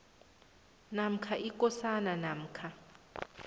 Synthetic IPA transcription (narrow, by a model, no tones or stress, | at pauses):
nam̩kʰaʔikʼɔsananam̩ːkʰa